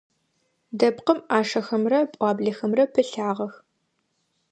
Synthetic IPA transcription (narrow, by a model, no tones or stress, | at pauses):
dɐpqəmaːʂɐxɐmrɐpʷʼɑːbɮɐxɐmrɐpʰɨɬaːʁɐx